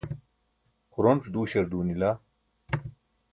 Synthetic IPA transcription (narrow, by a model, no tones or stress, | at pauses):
xuɾoɳʈ͡ʂd̪uːɕɐɾd̪uːnilaː